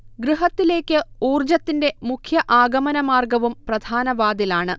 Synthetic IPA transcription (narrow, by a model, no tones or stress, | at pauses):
ɡɾiɦɐt̪ːile̞ːkʲːɨuːrd͡ʑɐt̪ːinde̞mukʰjɐʔaːɡɐmɐnɐmaːrɡɐʋumprɐd̪ʱaːnɐʋaːd̪ilaːɳɨ